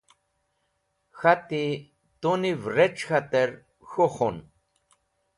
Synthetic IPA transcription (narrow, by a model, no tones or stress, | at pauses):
xat̪i | t̪univɾet͡ʃxat̪eɾ | xoxon